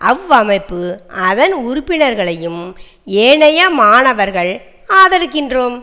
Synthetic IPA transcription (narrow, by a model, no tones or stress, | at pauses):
ʔɐʋɐmɐɪpːɯʔɐðɐnʊɾʊpːɪnɐɾɣɐɭɐjɯm | eːɳɐjɐmaːɳɐʋɐɾɣɐɭ | aːðɐɾɯkːɪndroːm